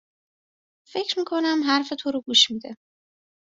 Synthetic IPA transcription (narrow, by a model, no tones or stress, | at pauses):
fe̞cɾmiːkʰo̞næmɦæɾfe̞t̪ʰoɾoɡuːʃmiːd̪e